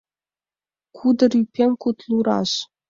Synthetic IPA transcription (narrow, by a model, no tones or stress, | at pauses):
kʰud̪ɤ̆rʲypʲːemʲkut̪lˠuɾɑ̰ʂ